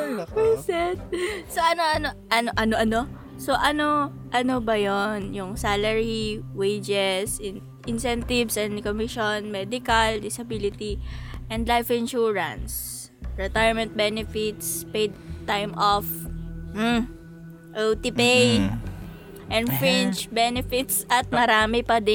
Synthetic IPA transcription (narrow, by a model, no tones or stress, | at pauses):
pɛsɛt̪̚soʔɐnoʔɐnoʔɐnoʔɐnoʔɐno | so̞ʔɐno̞ | ʔɐnobɐjonjʊŋsalɛɹiwejd͡ʒɛs | ʔɪnsɛnt̪ɪvsɛ̃nd̪komɪʃonmɛd̪ɪkɐld̪ɪsɐbilɪt̪iʔɛ̃nd̪lajfɪnʃuɹɐ̰ns | ɹɛt̪ajɹmɛ̃nt̪̚bɛnɛfɪt̪spejd̪̚t̪ajmʔof̩ | ʔɛlt̪ɪpejd̪ | ʔɛ̃nd̪fɹɪnt͡ʃbɛnɛfɪt̪sʔɐt̪̚mɐɾaːmɪpɐd̪ɪ